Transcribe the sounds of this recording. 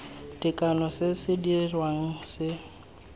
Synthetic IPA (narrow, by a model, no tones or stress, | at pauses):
tʼɪkʼanɔsɪsɪdirwaŋ̩sɪ